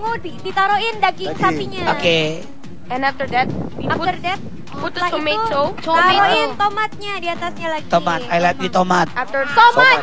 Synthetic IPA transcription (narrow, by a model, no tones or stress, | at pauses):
ŋodidit̪aɾoɪndaɡɪŋsapiɲaoke | ɛ̃naft̪ədɛt̪̚ | atərdɛt̪̚ | aimeusoaɾoɪnt̪omat̪̚ɲadiat̪asɲalaɡit̪omat̪ajlat̪̚jut̪omat̪̚aft̪ət̪oma